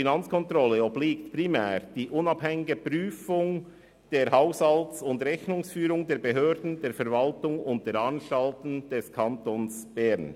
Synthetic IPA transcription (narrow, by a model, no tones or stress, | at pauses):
inɑnt͡skʰɔntɾɔlːəɔbliːktpʁimɛːɾd̥iːʔʊnɑbhɛŋɪɡəpɾyːfʊŋ | d̥eːɐɦaʊshɑltsʊndɾɛçnʊŋsfyːɾʊŋdeːɐɾbeɦøːɾdn̩d̥eːɾfɛɐɾvɑltʊŋʊnt̚d̥eːɾɑnʃtɑltn̩d̥ɛskʰɑntoːnsb̥ɛɾn